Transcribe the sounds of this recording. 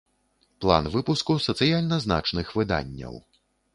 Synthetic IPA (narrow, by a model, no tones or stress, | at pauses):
plˠa̰nvɨpuskusɐt̪sɨjalʲnɐzna̰t͡ʂnɨxvɨd̪a̰nʲːɐ̰w